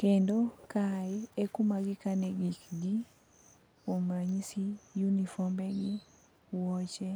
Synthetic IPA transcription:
kendokaɛkʊmaɡɪkanɛɡikɡi | omɾaɲisijunifɔmbɛɡi | wɔt͡ʃɛ

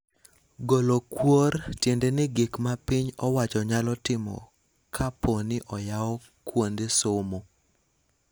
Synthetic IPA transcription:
ɡolokwortjendɛnɪɡɪkmapɪɲɔwat͡ʃɔɲalɔtɪmɔ̰ | kʰaponɪʔɔjawɔ | kwondesomo

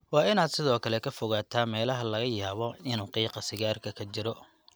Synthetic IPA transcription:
wɑːɪnaːd̪sɪðɔːkʰɐlɛkʰɐfʊɣaːt̪ʰaːmɛːlɐɦɐlɐɣɐjaːβɔɪnuːqiːqɑsɪɣaːrkʰɐkʰɐt͡ʃɪɾɔ

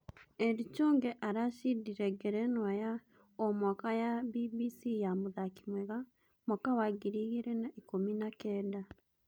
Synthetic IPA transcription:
ɛɾit͡ʃɔːŋɡɛʔaɾaʃidiɾɛɡɛɾɛnwaja | ɔmwakajabibisijamoðaki̥mwɛɣa | mwakawaɡiɾiɣiɾɛnaikominakɛːda

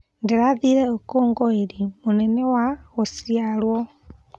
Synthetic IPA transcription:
ndeɾaðiɾɛokoːŋɡɔeɾimonɛnewaɣosialwɔ

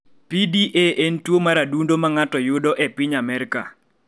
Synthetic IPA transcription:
pidiʔeʔentwomaɾadundomaŋatɔjʊdɔʔepɪɲamɛɾka̰

